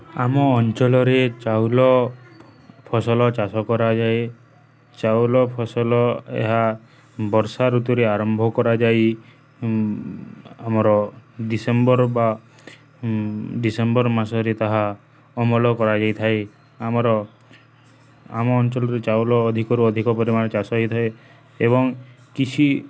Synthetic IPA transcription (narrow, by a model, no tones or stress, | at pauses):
amɔːnt͡ʃɔlɔɾet͡ʃawlɔ | pʰɔsɔlɔt͡ʃasɔkɔɾad͡ʒaj | t͡ʃawlɔpʰɔsɔlɔḛɦa | bɔɾsaɾut̪uɾeaɾɔmbʱɔkɔɾad͡ʒaj | amɔɾɔɖisembɔɾba | ɖisembɔɾmasɔɾet̪aɦa | ɔmɔlɔkɔɾad͡ʒajt̪ʰae | amɔɾɔ | a̰mɔːnt͡ʃɔlɔɾet͡ʃawlɔːd̪ʱikɔɾuɔd̪ʱikɔpɔɾimanɔt͡ʃasɔit̪ʰae | ḛbɔŋ | kit͡ʃʰi